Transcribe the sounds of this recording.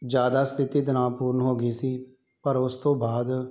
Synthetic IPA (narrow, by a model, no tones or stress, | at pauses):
d͡ʒjaːd̪aːst̪ʰɪt̪iːd̪ənãːpuːɾnɦoːɡiːsiː | pəɾʊst̪õːbaːd̪